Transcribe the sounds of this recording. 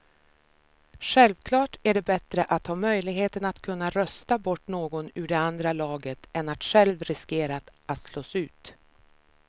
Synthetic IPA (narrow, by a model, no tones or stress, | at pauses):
ɧɛlvkʰlɑːʈæɖɛbɛt̪ɾəʔat̪hɑːmœjlɪɡɦeːt̪ənat̪kʰɵnːaɾœst̪abɔʈːnoːɡɔnʉ̟ɖɛand̪ɾalɑːɡət̪ɛnat̪ɧɛlvɾɪskeːɾat̪ʔat̪sloːsʉ̟ːt̪